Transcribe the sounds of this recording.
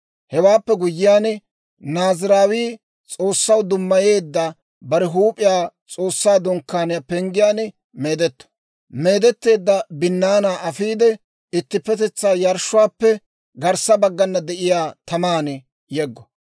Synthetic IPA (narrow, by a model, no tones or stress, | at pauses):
hɛwaːpːɛɡʊjːɪjaːn | naːzɪɾaːwiː | t͡sʼo̞ːsːɐwd̪ʊmːɐje̞ːd̪ːɐ | bɐɾɛɦuːpʼɪjaːt͡sʼo̞ːsːaːd̪ɔŋkːaːnɪjapɛŋɡɪjaːn | meːd̪ɛt̪ːɔ̥ | me̞ːd̪ɛt̪ːe̞ːd̪ːɐbɪnːaːnaːʔɐfiːd̪ɛ | ɪt̪ːɪpːɛt̪ɛt͡sːaːjɐɾʃʊwaːpːɛ | ɡɐɾsɐbɐɡːɐnːɐd̪ɛʔɪjaːt̪ɐmaːn | jɛɡːɔ